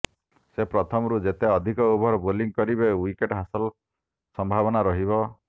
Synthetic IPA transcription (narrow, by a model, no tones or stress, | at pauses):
sepɾɔt̪ʰɔmɔɾud͡ʒet̪eɔd̪ʱikɔubʱɔɾɔboliŋkɔɾibewikeʈɦasɔl | sɔmbʱabɔnaɾɔɦibɔ